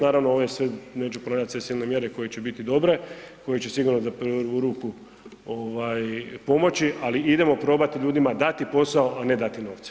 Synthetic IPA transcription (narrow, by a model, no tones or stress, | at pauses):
naːɾaʋnooʋosʋeneːt͡ʃupɾonaːʎʲat̪sʋe̞siːlne̞mje̞ɾe̞ko̞jet͡ɕe̞bit̪id̪o̞bɾe̞ko̞jet͡ɕesiɡuɾnozapɾʋuɾuːku | oʋajpo̞mo̞t͡ɕiʔaliid̪e̞mo̞pɾo̞ːbat̪iʎuːd̪imad̪at̪ipo̞saoʔane̞d̪at̪ino̞ːʋt̪se̥